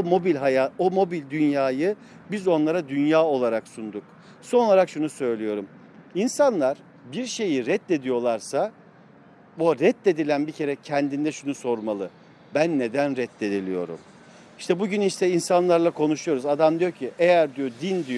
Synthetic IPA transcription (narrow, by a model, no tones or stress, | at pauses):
omo̞bilʲɦajaːomo̞bilʲd̪ynjaːjɯ | bizo̞nlˠaɾad̪ynjaːo̞lˠaɾaksund̪uk | so̞nolˠaɾakʃunusø̞jlʲijo̞ɾum | insanlˠaɾ̥ | biɾʃe̞jiɾɛt̪ːe̞d̪ijo̞lˠaɾsa | boɾɛt̪ːe̞d̪ilʲænbicʰe̞ɾɛcʰɛnd̪ind̪ɛʃunuso̞ɾmalˠɯ | bænːe̞d̪ænɾɛt̪ʰːe̞d̪ilʲḭjo̞̰ɾṵm | iʃt̪ʰɛbuɟyniʃt̪ʰɛinsanlˠaɾlˠakʰo̞nuʃujo̞ɾuzad̪amd̪ijocʰiʔejæɾd̪ijo̞d̪ind̪ijo